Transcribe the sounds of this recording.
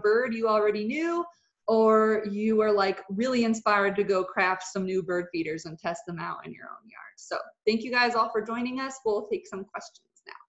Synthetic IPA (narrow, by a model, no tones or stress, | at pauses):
b̥ɜ˞djɨl̩ˠɹɛɾinjʉ | ə˞jɨwə˞laɪkɹɪlˠiɨ̃nspaɪəɹd̚tɨɡoʊkʰɹ̥æftsʌ̃mnʉbɜ˞d̥fiɾə˞zɨ̃ntʰɛst̪̚ðə̃maʊɾɨ̰̃njə̰˞õ̰ʊ̃njɑ̰ɹd̥soʊθæ̃ŋkjɨɡaɪzɔlˠfə˞d͡ʒɔ̃ɪ̃ñɪ̃ŋʌswilˠtʰeɪksʌ̃mkʰw̥ɛst͡ʃn̩z̥na̰ʊ